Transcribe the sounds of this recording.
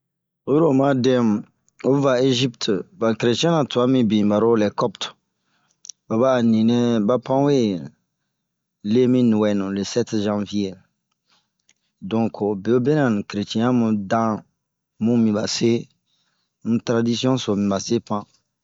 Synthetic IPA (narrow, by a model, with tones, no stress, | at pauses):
o˦ju˦ɾo˨mã˦dɛ̃˦m˨ | o˦va˨e˦ʒi˦ptba˨kɾe˨tĩ˦ɛ̃˦nã˨tu˨a˦mĩ˦bĩ˨ba˨ɾo˦lɛ˨kɔ˦pt | ba˨ba˦˨nĩ˨nɛ̃˦ba˦pã˦we˦ | le˦mĩ˦nũ˨wɛ˨nũ˨le˨sɛ˦tʒã˦vje˦ | dɔ̃˦ŋkʰo˨be˨o˦be˦nã˨ñ˨kɾe˨tɛ̃˦ã˦mũ˨dã˦ | mũ˦mĩ˨ba˨se˦ | mũ˦tɾa˦di˦si˦ɔ̃˦so˨mĩ˨ba˨se˦pã˦